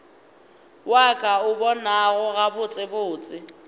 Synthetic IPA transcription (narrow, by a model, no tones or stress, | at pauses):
wakʼaʊbɔnaɣʊɣabʊt͡sʼɪbʊːt͡sʼɪ